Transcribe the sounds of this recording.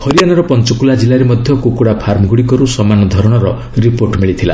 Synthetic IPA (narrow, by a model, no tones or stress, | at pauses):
hɔɾijanɔɾɔpɔnt͡ʃɔkulad͡ʒilaɾemɔd̪ʱjɔkukuɽapʰaɾmɔɡuɽikɔɾusɔmanɔd̪ʱɔɾɔɽ̃ɔɾɔ | ɾipoɾʈmiɭit̪ʰila̰